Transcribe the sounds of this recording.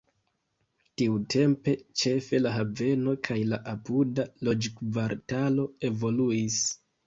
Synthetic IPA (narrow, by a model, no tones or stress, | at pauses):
tiutʰe̞mpe̞t͡ʃe̞fe̞laɦave̞no̞kʰajlaʔapudalo̞d͡ʒkvaɾtalo̞e̞vo̞luis